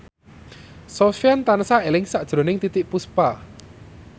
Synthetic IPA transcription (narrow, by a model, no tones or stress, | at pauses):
sɔfjant̪anəsaelɪŋsaʔd̥ʒ̥ɾo̤nɪŋt̪it̪ɪʔpuspa